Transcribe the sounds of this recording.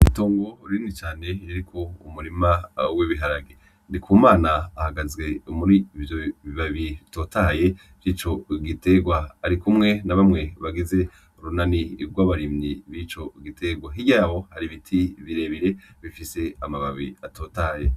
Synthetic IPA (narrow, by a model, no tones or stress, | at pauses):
itoːŋɡo̞ɾinit͡ʃaːne̞jaɾikʰo̞umuɾimaweβiɦaɾaɡe | ndikʰuːmaːnaːhaɡazɡe̞umuɾivjoβiβaβito̞ːtaje̞ | v̥jiːt͡ʃo̞ɡite̞ɡwaaɾikumŋe̞naβamŋe̞βaɡize̞ | ɾunaniɡwaβaɾimɲiβit͡ʃo̞ɡitʰe̞ɡwaɦiɡɟaːβo̞haɾiβitʰiβiɾe̞ːβiɾe̞βifise̞amaβaβiatʰoːtaje